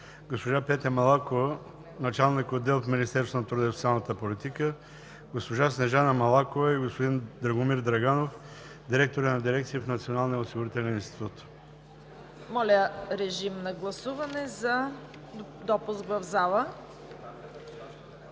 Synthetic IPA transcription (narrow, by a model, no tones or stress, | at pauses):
ɡospoʒapɛt̪ɛɾmɐlˠakovə | nɐt͡ʃalˠnikod̪ːɛlˠfminist̪ɛɾsonɐt̪ɾud̪ɛst̪ʲalˠnət̪əpolit̪ikə | ɡospoʒasnɛʒanəmɐlˠakovɐiɡospod̪ind̪ɾɐɡʊmiɾd̪ɾɐɡanof | d̪iɾɛk̚t̪oɾənɐd̪iɾɛkt̪sijəfnɐt̪sionalˠnijəosiɡʊɾit̪ɛlʲɛninst̪i̥t̪ut̪ | mɔlʲəɾɛʒimnɐɡlˠɐsuvɐnɛzɐ | d̪ɔpʊskvɐvzalˠə